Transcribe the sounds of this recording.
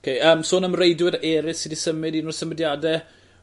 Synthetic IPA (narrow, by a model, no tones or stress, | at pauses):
kʰejəːmsoːnəmrejdwɪɾɛːɾɪsidisəmɨdiːnɔrsəmədjadɛ